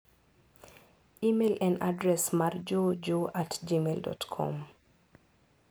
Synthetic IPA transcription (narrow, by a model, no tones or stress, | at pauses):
imelʔɛnʔadɾɛsmaɾd͡ʒod͡ʒoʔatd͡ʒimeldɔ̰tkʰɔ̰m